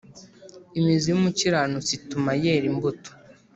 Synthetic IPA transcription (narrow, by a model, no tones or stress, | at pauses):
imizijumuciɾanut͡situmajeɾimbutu̥